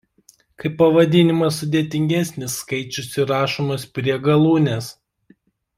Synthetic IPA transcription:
kɐɪpːɐʋɐd̪ʲɪnʲɪmɐsʊd̪ʲeɛt̪ʲɪŋʲɡʲæsʲnʲɪsːkɐɪt͡ʃʲʊsɪɾɑːʃoːmoːspʲɾʲiɛɡɐlˠuːnʲes

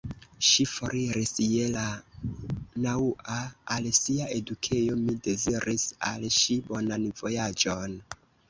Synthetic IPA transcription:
ʃifoɾiɾisje̞la | nauʔaːlsiaʔe̞dukʰejo̞mide̞ziɾisa̰lʃibo̞nanvo̞jad͡ʒon

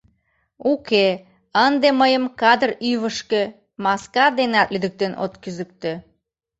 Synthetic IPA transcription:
uke | ənd̪eməjəmkɑd̪əryβəʃke | mɑskɑd̪enɑt̪lyd̪ək̚t̪eno̰t̪kyzək̚t̪e

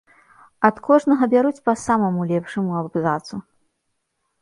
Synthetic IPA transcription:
ɐt̪kʰɔʐnɐɣɐbʲaɾut͡sʲpɐsamɐmulʲɛpʂɐmuɐbzat̪su

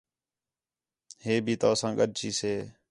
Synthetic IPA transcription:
heːbʱiːt̪aːsãːɠəɗ̚t͡ʃiːseː

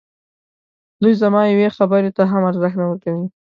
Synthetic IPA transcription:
d̪ujzamɑjawexabəɾet̪aɦamaɾzaxnawəɾkawi

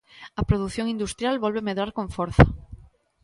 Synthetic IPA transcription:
ɐpɾoð̞uθjoŋĩnd̪ust̪ɾjalβolβemeðɾaɾkõɱfoɾθa̰

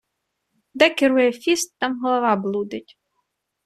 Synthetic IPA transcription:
d̪ɛkʲɪɾujɛfʲist̪ːɑmɦɔlˠɔʋɑblˠud̪ɪtʲ

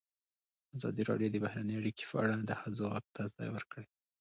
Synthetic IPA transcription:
azɑ̰d̪iɾɑ̰ɖjod̪əbahɾanəjaɽike̥pəaɽad̪əhazoɣaɡ̚t̪ʰazɑ̰jwəɾkəɽe

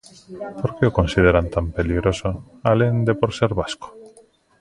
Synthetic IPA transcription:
poɾkeʊkonsið̞eɾant̪ampeliɣɾoso | alend̪epoɾseɾβasko̥

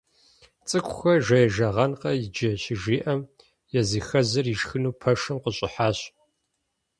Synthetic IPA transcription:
t͡sʼɨkʷʰʼʊxɐʒɐjɛʒɐʁɐnqɐjɪd͡ʒɐɕɪʒiːʔɐm | jɛziːxɐzɐriʒxɨnuːpʰɐʂɨmqəɕʼɪħaːɕ

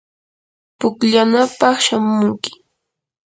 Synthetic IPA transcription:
pʊkʎanapɑχʃamʊŋkɪ̥

